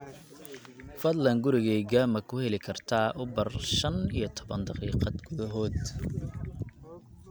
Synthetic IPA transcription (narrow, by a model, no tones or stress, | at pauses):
fɐd̪lɐŋɡʊɾɪɣɛjɡaːmɐkʰʊhɛlɪkʰɐrt̪ʰaːʔʊbɐrʃɐnijɞt̪ʰɔbɐnd̪ɑqiːqɑd̪ɡ̥ʊðɐɦɔːd̪